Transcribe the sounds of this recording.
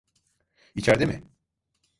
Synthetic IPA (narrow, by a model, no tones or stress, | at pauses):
it͡ʃʰaɾd̪emɪ̰